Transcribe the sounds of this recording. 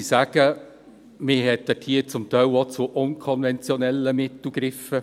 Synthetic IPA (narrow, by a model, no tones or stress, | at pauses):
isæːɡ̥ə | mɪɦɛt̪̚ːətʰiːət͡sʊmt̪œɪlot͡sʊʔʊnkʰɔnvɛnt͡sjɔnɛlːəmɪtl̩ˠɡɾɪfə